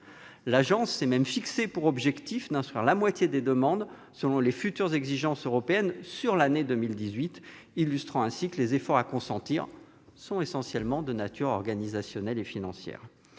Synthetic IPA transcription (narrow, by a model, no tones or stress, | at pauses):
laʒɑ̃sɛmɛmfiksepuʁɔbʒɛkt̪ifd̪ɛ̃st̪χw̥iʁlamwat̪jed̪ed̪əmɑ̃d̪ | səlɔ̃lefyt̪yʁzɛɡziʒɑ̃søʁɔpeɛnsyʁlaned̪əmild̪izɥit̪ | ilyst̪χɑ̃ɛ̃sikəlezefɔʁakɔ̃sɑ̃t̪iʁ | sɔ̃esɑ̃sjɛlmɑ̃d̪ənat̪ʰyʁɔʁɡanizasjɔnɛlefinɑ̃sjɛ̰ːʁ